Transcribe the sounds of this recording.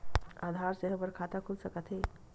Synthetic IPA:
ad̪ʱaɾseɦəbəɾkʰat̪akʰulsəkət̪ɦe

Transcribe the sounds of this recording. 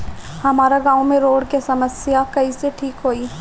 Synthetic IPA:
hɐmaːɾaɡãːomẽɾoːɽkesɐməsjakɐiseʈʰiːkɦoːiː

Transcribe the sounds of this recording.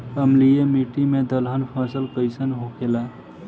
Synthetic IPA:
əmlijemiʈimed̪əlɦənpʰasəlkəɪsənɦokʰela

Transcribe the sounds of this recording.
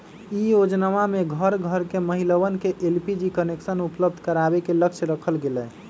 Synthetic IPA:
ijod͡ʒnaʋameɡʱəɾɡʱəɾkeməɦiləʋənkeʔelpid͡ʒikəneksənupləbd̪ʱkəɾabekeləkt͡ʃʰɾəkʰəlɡelɛ

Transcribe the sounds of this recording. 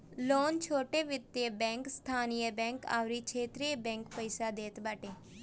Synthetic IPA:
loːnt͡ʃʰoːʈeːʋɪt̪ːebɛ̃ːŋkst̪ʰaːnijəbɛ̃ːŋka̰ːʋɾiːt͡ʃʰeːt̪ɾiebɛ̃ːŋkpəɪsaːd̪eːt̪baːʈeː

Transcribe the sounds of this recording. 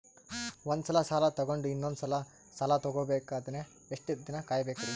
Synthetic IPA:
ond̪usɐlɐsaːlɐt̪ɐɡo̞ɳɖuinːond̪usɐlɐ | saːlɐt̪ɔɡoːbeːkaːd̪ɐne | eʂʈid̪inɐkaːjbeːkɐɾi

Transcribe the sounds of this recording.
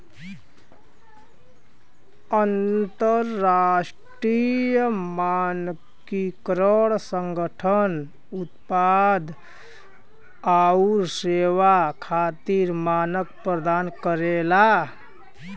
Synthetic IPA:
ənt̪əɾːasʈɾijəman | kikɾəɽsəŋɡəʈʰən | ut̪pad̪ | auɾseʋakʰaːt̪iɾmanək̚pɾəd̪aːnkəɾela

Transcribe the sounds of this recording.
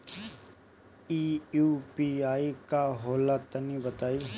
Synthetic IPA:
iːjuːpiːaːikaɦoːlat̪ənibət̪aːi

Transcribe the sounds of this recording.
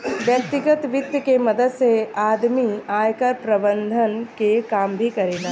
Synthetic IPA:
ʋjɐk̚t̪ɪɡət̪ʋɪt̪jəkemɐd̪əd̪seaːd̪miaːjkəɾpɾɐbə̃nd̪ʱənkekaːmbʱikɐɾeːnaː

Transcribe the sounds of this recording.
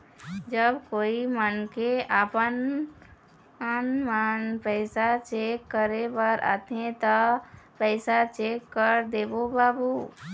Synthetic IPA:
d͡ʒəbkoimənkeapən | ənmənpəɪsat͡ʃekːəɾebəɾʔa̰t̪ʰẽt̪ɔpəɪsat͡ʃekːəɾd̪ebobabu

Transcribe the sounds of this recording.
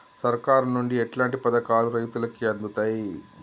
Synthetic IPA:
sɐɾkaːɾɐnnːuɳɖiɛʈlaːɳʈipɐd̪ɐkaːluɾɐjt̪ulɐkiɐnd̪ut̪aːji

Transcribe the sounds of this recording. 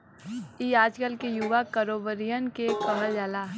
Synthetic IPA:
iːaːd͡ʒkəlkejuʋakəɾoːbəɾijənkekəɦəld͡ʒaːlaɦ

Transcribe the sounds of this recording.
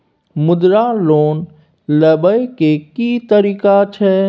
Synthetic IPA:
mʊd̪ɾaloːn | ləbəjkekit̪əɾiːkat͡ʃʰɛ

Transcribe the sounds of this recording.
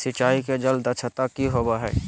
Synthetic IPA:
sɪt͡ʃaːiked͡ʒəld̪ət͡ʃʰət̪akiɦoːbaɦɛ̰ː

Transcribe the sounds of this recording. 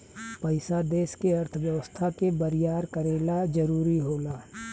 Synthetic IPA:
pəɪsad̪eːskeɐɾt̪ʰəʋjəʋəst̪ʰakebəɾɪjaːɾkəɾeːlad͡ʒɐɾuːɾiɦoːlaː

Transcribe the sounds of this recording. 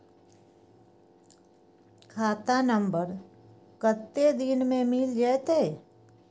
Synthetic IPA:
kʰaːt̪anə̃mbəɾ | kət̪ːed̪inmẽmɪld͡ʒaːt̪eː

